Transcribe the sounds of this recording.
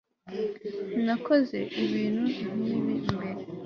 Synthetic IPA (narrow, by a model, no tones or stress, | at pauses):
nakoze̞ʔiβiːnhuiɦuminimbeɾe